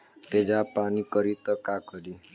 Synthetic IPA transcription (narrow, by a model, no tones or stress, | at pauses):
t̪ed͡ʒapanikɔɾit̪ɔkakɔɾi